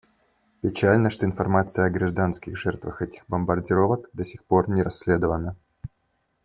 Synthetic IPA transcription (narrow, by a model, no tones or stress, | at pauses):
pʲɪt͡ɕælʲnəʂt̪oɪnfɐrmat̪sɨjəɐɡɾɐʐd̪anskʲɪxʐɛrt̪vəxɛtʲɪ̥xbəmbɐrdʲɪɾovəkd̪əsʲɪxpo̞rnʲɪɾɐsʲːlʲed̪əvənə